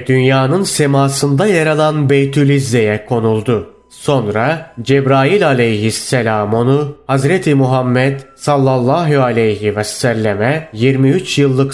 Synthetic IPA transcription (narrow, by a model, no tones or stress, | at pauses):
d̪ynjaːnɯnsemaːsɯnd̪ajaɾalˠanbejt̪ʰylʲizːejɛkʰo̞nulˠd̪u | so̞nɾad͡ʒɛbɾaːjilʲalʲejɦisːɛlʲaːmo̞nuhazɾɛt̪ʰimuɦamːɛd̪salˠːalˠːaːɦualʲejɦivɛsːælʲːemɛjiɾmiyt͡ʃjɯlˠːɯk